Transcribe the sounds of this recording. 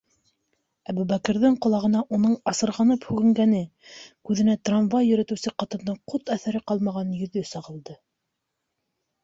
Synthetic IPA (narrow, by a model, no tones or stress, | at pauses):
æbʉβækɘ̆ɾðɘɴqŏlˠɑʁɤ̆nɑʔunɤɴɑsɤ̆ɾʁɑnɤphʉɡɘ̆ŋɡænɘkʉðɘ̆næt̪ranvɑjɵ̆ɾæt̪ɘ̆wsɘqɑt̪ɤ̆nd̪ɤɴqot̪æθæɾɘqɑlˠmɑʁɑnjɵ̆ðɵsɑʁɤ̆lˠd̪ɤ